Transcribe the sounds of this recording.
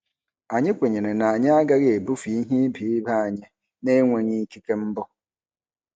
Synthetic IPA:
a˨ɲɪ˦kʷe˨ɲe˨ne˨na˨a˨ɲɪ˦a˦ɡa˦ɣe˨bu˦fi˨i˦ɦi˦bi˨i˦ba˦a˨ɲɪ˦ | ne˦ŋʷe˨ɲi˦ki˦ke˦m̩˦bɔ˦

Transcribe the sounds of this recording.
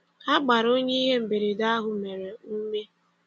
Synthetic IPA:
a˦ɡ͡ba˨ɾo˦ɲe˦i˦ɦe˦m̩˨be˨ɾi˨da˦ɦʊ˨me˨ɾe˨u˦me˦

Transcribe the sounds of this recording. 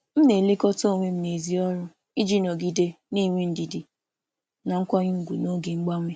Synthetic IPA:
m̩˦ne˨le˦kɔ˦to˦˨ŋʷe˦m̩˦ne˨zi˦ɔ˦ɾʊ˦ | i˦d͡ʒi˦nɔ˨ɡi˦de˦ | ni˦˨ŋʷe˦n̩˦di˨di˨ | na˨ŋ̩˦kʷa˦ɲu˦ɡʷu˨no˦ɡe˨ŋ͡m̩˦ɡ͡ba˦ŋʷe˦

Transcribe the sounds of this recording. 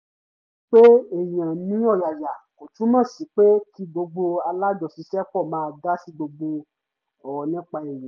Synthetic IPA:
k͡pe˦e˦˨j̃ã˨nĩ˨˦ɔ˦˨ja˨ja˨ko˨tũ˨˦nã˦˨si˨˦k͡pe˦ki˦ɡ͡bo˧ɡ͡bo˧a˧la˦d͡ʒɔ˨si˧sɛ˦kɔ˦˨mãː˦˧ɡa˦si˦ɡ͡bo˧ɡ͡bo˧ | ɔ˨wɔ˨nĩ˦k͡pa˧e˨jĩ˨˦

